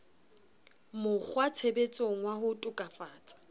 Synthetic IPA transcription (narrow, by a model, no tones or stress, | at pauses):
mʊk͡xʰwat͡sʰebet͡sʼoŋ̩wahʊtʼʊkʼafaːt͡sʼḁ